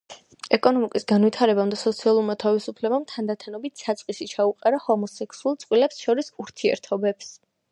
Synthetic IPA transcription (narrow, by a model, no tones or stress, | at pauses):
ɛkʼɔnɔmikʼisɡanwit̪ʰaɾɛbamd̪asɔt̪sʰialˠuɾmat̪ʰavisupʰlɛbamt̪ʰand̪at̪ʰanɔbit̪ʰsat̪sʼqʼisit͡ʃʰauqʼaɾahɔmɔsɛkʰsuulˠt̪sʼqʼwilɛpsʃɔɾisuɾt̪ʰiɛ̰ɾt̪ʰɔbɛps